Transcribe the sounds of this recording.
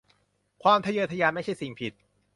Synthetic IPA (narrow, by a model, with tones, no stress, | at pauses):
kʰwaː˧mt̪ʰa˧jɤː˧t̪ʰa˧jaː˧nma˥˩jt͡ɕʰa˥˩jsi˨˩ŋpʰi˨˩t̪̚